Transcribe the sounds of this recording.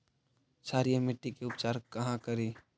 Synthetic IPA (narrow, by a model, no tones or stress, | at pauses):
saːɾijamɪʈːikeʊpt͡ʃaːɾkɐɦãkɐɾiː